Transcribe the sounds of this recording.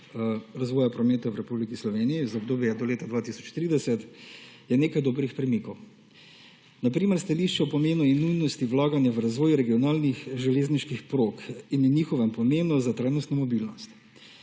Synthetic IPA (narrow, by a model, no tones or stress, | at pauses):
ɾazʋɔːjapɾɔmeːt̪awɾɛpublikislɔʋeːnijizɔb̚d̪oːbjɛd̪ɔleːt̪ad̪ʋaːt̪isɔt͡ʃt̪ɾiːd̪ɛsɛt̪jɛneːkajd̪oːbɾixpɾɛmiːkɔw | napɾiːmɛɾst̪aliʃt͡ʃɛɔpɔmeːnuinːujnɔst̪iʋlaːɡanjaʋɾazʋɔːjuɾɛɡiɔnaːlnixʒɛleːzniʃkixpɾoːkinniːxɔʋɛmpɔmeːnɔzat̪ɾaːjnɔst̪nɔmɔbilnɔst̪